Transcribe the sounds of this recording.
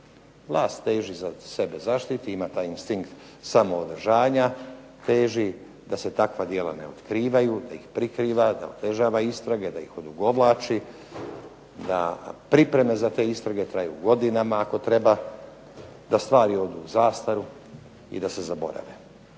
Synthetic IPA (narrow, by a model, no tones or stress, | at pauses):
ʋlˠaːst̪t̪ːe̞ːʒizase̞be̞zaʃt̪it̪iimat̪aːjinst̪iŋkt̪ | samo̞od̪r̩ʒaːɲa | t̪e̞ːʒi | d̪ase̞t̪akʋad̪jelˠane̞̰o̞t̪kɾiːʋajud̪aixpɾikɾiːʋad̪a̰ot̪e̞ʒaːʋaist̪ɾaɡe̞d̪aixo̞d̪uɡo̞ʋlˠaːt͡ʃi | d̪a̰pɾipɾe̞me̞zat̪e̞ːist̪ɾaɡe̞t̪ɾajṵɡo̞d̪inamaːko̞t̪ɾe̞ba | d̪ast̪ʋaːɾio̞d̪uːuzaːst̪aɾu | ḭd̪ase̞zabo̞̰ɾa̰ʋe